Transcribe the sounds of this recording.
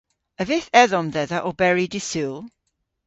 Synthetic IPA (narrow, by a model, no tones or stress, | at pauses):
əvɪθɛðɔmðɛðəʔɔbɛɹidɪsulˠ